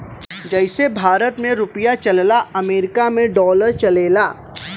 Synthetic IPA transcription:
d͡ʒɛɪsebʱaːɾət̪mẽɾʊpəjat͡ʃɐllaɐmeːɾɪkamẽɖɔːləɾt͡ʃɐleːlaː

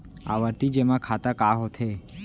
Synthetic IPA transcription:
a̰ʋəɾt̪id͡ʒemãkʰat̪akaɦot̪ʰe

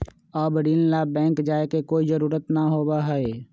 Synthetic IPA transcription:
ɔːbəɖillabɛ̃ːŋkd͡ʒaːekekoːizəɾuːɾət̪naɦoːbaɦɛe

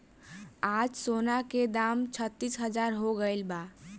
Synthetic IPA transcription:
ad͡ʒsonaked̪amt͡ʃʰət̪ːisɦəd͡ʒaɾɦoɡəɪlba

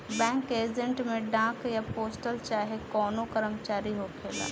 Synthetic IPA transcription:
bɛ̃ːŋkeːd͡ʒə̃ɳʈmẽɖãːkjapoːsʈəlt͡ʃaːɦekɔːnokəɾəmt͡ʃaːɾiɦokʰeːla̰ː

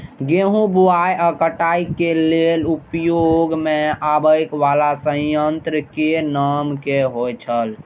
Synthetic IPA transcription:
ɡeɦũbuajəkəʈaikelelupjoɡmeabəjkʋalasə̃jənt̪ɾəkenamkeɦot͡ʃʰəl

